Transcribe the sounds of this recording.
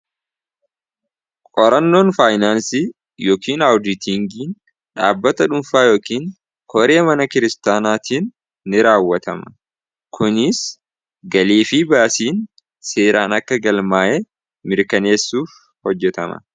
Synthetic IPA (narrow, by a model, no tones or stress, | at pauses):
kʼɔɾɐnːo̞ːnfaːjnaːnsi | joːkiːnɐwd̪ɪt̪ɪŋɡiːn | ᶑaːbːɐt̪ɐᶑʊnfaːjo̞ːkiːn | kʰɔɾe̞ːmɐnɐkɪɾɪst̪aːnaːt̪ʰiːnː | ɪɾaːwːɐt̪ɐmɐ | kʰʊnɪs | ɡɐliːfibaːsiːn | seːɾʔaːnɐkːɐɡɐlmaːʔɛ | mɪɾkɐne̞ːsːuːf | hɔd͡ʒːɛt̪ɐmɐ̰